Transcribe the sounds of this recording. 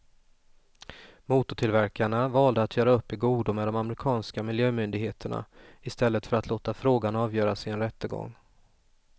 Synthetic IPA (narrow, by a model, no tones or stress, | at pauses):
muːt̪ʊʈʰɪlvæɾkaɳavɑːld̪əat̪ʰjœːɾaɵpːɛɡuːd̪ʊmɛd̪ɔmamɾɪkʰɑːnskamɪljøːmʏnd̪ɪɡheːt̪ʰəɳa̰ɪst̪ɛlːət̪fœɾat̪ʰloːt̪afɾoːɡanɑːvjœːɾasɪnɾɛt̪ːəɡɔ̰ŋː